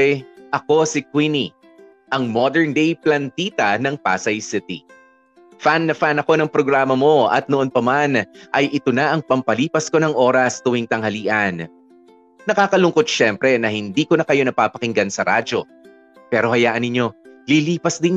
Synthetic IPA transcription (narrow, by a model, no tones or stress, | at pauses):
ʔɐko̞sɪkwini | ʔɐŋmod̪ɛɹnd̪ejplɐnt̪iːt̪ɐnɐŋpa̰ːsɐjsɪt̪ḭ | fanːɐfanɐko̞nɐŋpɾoɡɾaːmɐmo̞ɐ̰t̪̚noʔonpɐmanʔɐjʔɪt̪onaʔɐŋpɐmpɐliːpɐsko̞nɐŋʔo̞ːɾɐst̪ʊwiŋt̪ɐŋhɐliːʔɐn | nɐkaːkɐlʊŋko̞t̪̚ʃɛmpɾɛnɐhɪnd̪iːko̞nɐkɐjo̞nɐpapɐkɪŋɡansɐɾa̰d͡ʒo̞ | pɛːɾo̞hɐjaːʔɐnːɪɲːo̞liliːpɐsd̪ɪn